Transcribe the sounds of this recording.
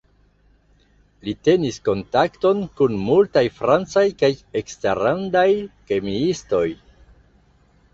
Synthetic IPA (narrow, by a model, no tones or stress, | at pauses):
lite̞nisko̞ntakto̞nkunmultajfɾant͡sajkajeksteɾandajkemiisto̞j